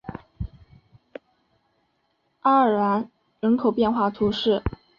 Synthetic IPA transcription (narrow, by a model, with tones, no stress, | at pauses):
a˥ə˨˩a˧˥n | ɻə˧˥nkʰo˨˩ʊpjɛ˥˧nxwa˥˩t̪ʰu˧˥ʂɻ̩˥˩